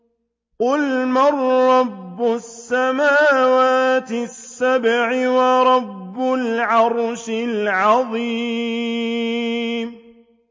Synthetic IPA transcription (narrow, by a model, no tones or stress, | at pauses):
qʊlmɑrˤːɑbːʊsːamaːwaːt̪ɪsːabʕɪwɑɾˤɑbːʊlʕɑɾˤʃɪlʕɑðˤiː | m